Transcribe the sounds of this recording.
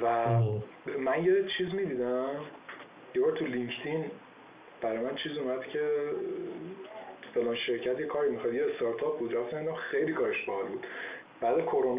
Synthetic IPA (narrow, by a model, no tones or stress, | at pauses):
væ | mænjet͡ʃʰiːzmiːd̪iːd̪æm | jevɒːɾt̪ʰuliŋct̪ʰin | b̥æɾɒːjmænt͡ʃʰiːzomæd̪̥cʰe̞ | fe̞lɒːnʃe̞ɾcʰæt̪ʰjekʰɒːɾimixɒd̪jeːst̪ɒɾt̪ʰɒp̚buːd̪ɾæft̪æmind̪æmxejlikʰɒːɾeʃbehɒlbuːd̪̥ | b̥æːd̪ekʰoɾon